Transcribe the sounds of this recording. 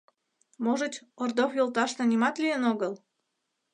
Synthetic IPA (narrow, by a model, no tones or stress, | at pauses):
moʒət̪ʲord̪ofjolˠt̪ɑʃnənʲimɑt̪lʲijənoɣəl